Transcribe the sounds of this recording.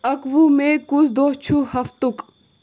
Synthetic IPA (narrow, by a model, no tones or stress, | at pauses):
ɐkʋumẽkusd̪oːt͡ɕʰuhɐft̪uk